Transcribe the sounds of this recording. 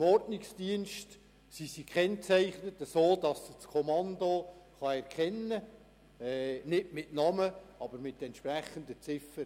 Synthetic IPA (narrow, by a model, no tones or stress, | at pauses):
mɔrtnɪksd̥iənʃt | sisikʰχɛnt͡sæɪχnətəsoːdɑst͡skʰomɑnd̪oχɑɛɾkʰχɛnːə | ɛnɪtmɪtnɑməɑbəɾmɪt̪ɛntʃpɾæχːəndət͡sɪfəɾ